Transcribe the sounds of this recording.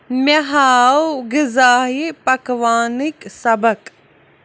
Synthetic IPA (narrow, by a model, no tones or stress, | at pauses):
mɐɦaːwɡɪzaːɦipɐkʋaːniksɐbək